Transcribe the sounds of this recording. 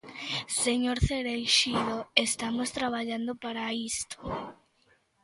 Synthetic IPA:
seɲoɾθeɾejʃiðoest̪amost̪ɾaβ̞aʎand̪opaɾaist̪o̥

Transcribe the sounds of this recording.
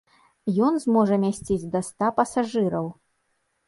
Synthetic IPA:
jɔnzmɔʐɐmʲasʲt͡sʲid͡zʲd̪ɐst̪apɐsaʐɨɾɐw

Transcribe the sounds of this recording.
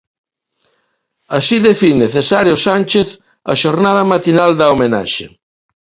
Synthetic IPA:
asiðefineθesaɾjosanʲt͡ʃeθ | ɐ̰ʃoɾnað̞ɐmat̪inald̪ɐomena̰ʃḛ

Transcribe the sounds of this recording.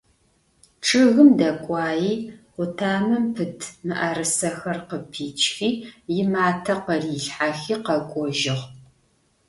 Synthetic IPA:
ʈ͡ʂʰʼɨɣɨmdɐkʷʼɑːjiːʁʷʊtʰaːmɨmpʰɨtʰmɨʔaɾɨsɐxɐrqəpʰiːt͡ʃʰʼxiːjɪmaːtʰɐqɐriːɬħaxiːqɐkʷʼɔʒɪʁ

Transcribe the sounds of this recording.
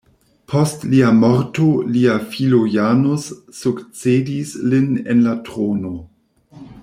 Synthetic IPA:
pʰo̞stliamoɾtoliafilojanosːukt͡sedislinḛnlatɾono

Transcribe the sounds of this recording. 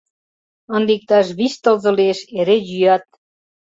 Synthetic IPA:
ə̆nd̪ik̚t̪ɑʃ̬βist̪ɤ̆lzɤ̆lieʃeɾejyjɑt̪̚

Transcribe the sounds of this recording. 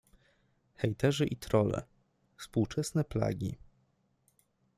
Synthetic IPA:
xɛjt̪ɛʐɘʔit̪ɾɔlɛ̰ | fspuwt͡ʂɛsnɛpla̰ɡʲḭ

